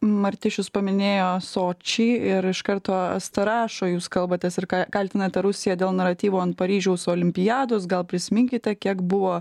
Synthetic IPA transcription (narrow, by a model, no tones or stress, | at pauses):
mɐɾʲt̪ʲɪʃʲʊspɐmʲɪnʲeːjoːsoːt͡ʃʲɛːɪɾɪʃkɐɾt̪oːɐ̰st̪ɐɾɑːʃoːjuːskɐlˠbɐt̪ʲɛsɪɾkɑkɐlʲt̪ʲɪnɐt̪ʲɛɾʊsʲɪjɛd̪ʲeːlˠnɐɾɐt̪ʲiːʋuːɐnt̪̚pɐɾʲiːʒʲɛʊsʊoːlʲɪmʲpʲɪjɑːd̪oːsɡɐlˠpʲɾʲɪsʲɪmʲɪŋʲkʲɪt̪ʲɛkʲiɛkbʊʋoː